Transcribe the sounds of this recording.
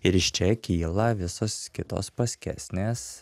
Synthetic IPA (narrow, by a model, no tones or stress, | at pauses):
ɪɾɪʃt͡ʃʲɛkʲiːlˠɐʋʲɪsoːskʲɪt̪o̰ːspɐsʲkʲæ̰sʲnʲeːs